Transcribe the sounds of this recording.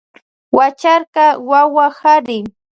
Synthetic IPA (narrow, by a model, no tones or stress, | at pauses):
wat͡ʃaɾkɑwawahaɾɪ